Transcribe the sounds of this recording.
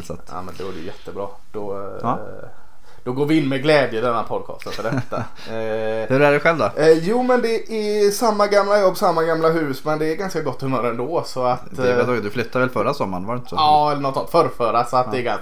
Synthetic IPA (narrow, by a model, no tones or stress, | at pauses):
sa̰t̪a̰ːmɛnd̪ɛuːɾɛjʉ̰jɛt̪ːəbɾɑ̰ː | d̪̥ɔ | d̪̥ɔɡoːɾvɪɪnːmɛɡlɛːd̪jəd̪ɛnːapʰɔd̪̚kʰɑ̰ːst̪ənfœɖɛt̪ːa̰ | hɵɾæɖɛɧɛlvd̪ɔjuːmɛnd̪ɛʔɛsamːaɡamlajɔbːsamːaɡamlaɦʉ̟ːsmɛnd̪ɛːɾɡanskaɡɔt̪ːhɵmøːɾɛnd̪oːsɔat̪ːat̪ʰɔːɡ̪d̪ɵflʏt̪ːad̪ɛɛlfœɾasɔmːaɳʋaɾɛnt̪əsɔɑɛlːəɳɔt̪ːt̪fœɾfœːɾasɔat̪d̪ɛɛɡa